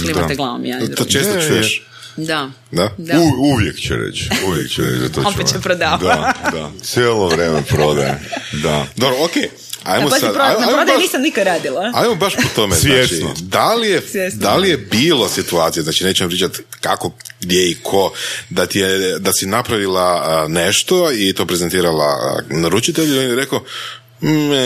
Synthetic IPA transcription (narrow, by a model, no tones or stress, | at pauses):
liat̪eɡlˠaʋo̰mjad̪ɾot͡ʃest̪ot͡ʃujeʃ | d̪a | d̪ad̪uuʋjekt͡ɕɛ̰ɾḛt͡ʃuʋjḛkt͡ɕɛ̰ɾḛt͡ʃd̪a̰t̪oopeepɾod̪aːʋd̪ad̪asjeːlˠoʋɾemepɾod̪ajḛd̪ad̪obɾookej | a̰jmossad̪ɾoaajajɾod̪aaniːsamnikad̪ɾaːd̪ilˠaajmobaʃpot̪o̞mezjaːet͡ʃino̰d̪alijesjesd̪alijebiːlˠo̞sit̪uaːt̪sijaznaːt͡ʃine̞ːt͡ʃumpɾiːt͡ʃat̪kakoɡd̪jeikʰo̞d̪at̪ijed̪asinapɾaʋilˠaneʃt̪o̞it̪o̞ːpɾezent̪iːɾala̰naɾut͡ʃit̪eʎuionjeɾeko